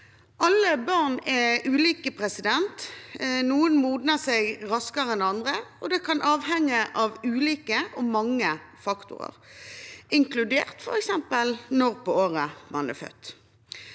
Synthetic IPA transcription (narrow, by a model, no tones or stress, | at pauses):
ʔɑlːəbɑʁnɛʉːliːkəpʰʁɛsɪd̪ɛnt̪nuːənmuːd̪nəsɛɪɡʁɑskəʁəɛnɑnd̪ʁəɔd̪ɛkʰɑnʔɑːʋɦɛŋːəʔɑʋʉːliːkəʔɔmɑŋːə | fɑkt̪ʊ̰ʁə̰ʁ | ɪŋklʉd̪ḛːʁt̪fɔ̰ʁɛksɛmpəlnɔɾpɔoːʁəmɑnɛ̰fœ̰t̪ː